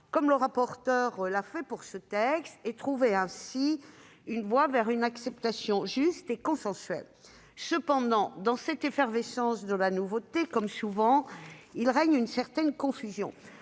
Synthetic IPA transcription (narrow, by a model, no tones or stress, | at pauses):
kɔmləʁapɔʁt̪œʁlafɛpuʁsət̪ɛkst̪et̪χuveɛ̃si | ynvwavɛʁynaksɛp̚t̪asjɔ̃ʒyst̪ekɔ̃sɑ̃sɥɛ̰l | səpɑ̃d̪ɑ̃d̪ɑ̃sɛt̪efɛʁvesɑ̃sd̪əlanuvot̪ekɔmsuvɑ̃ilʁɛɲynsɛʁt̪ɛnkɔ̃fyzjɔ̰̃